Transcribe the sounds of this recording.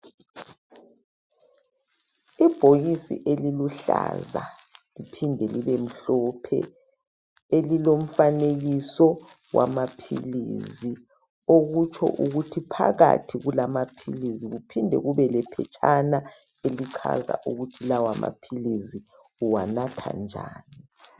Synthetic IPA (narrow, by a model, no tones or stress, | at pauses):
ib̥ʱoɣisḭʔeliluɬa̰za | lipʰindʱɛliβem̩ɬɔpʰɛ̰ | elilom̩faneɣisɔ | wʔa̰mapʰḭlḭzi | oɣut͡ʃʰɔ̰ʔuɣutʰipʰa̰ɣa̰tʰiɣulamapʰḭliziɣupʰindʱɛ̰ɣuβɛlɛpʰɛt͡ʃʼʰana | eliǀʰa̰za̰ʔuɣutʰilawama̰pʰilizi | uwanatʰa̰nd͡ʒʱaːni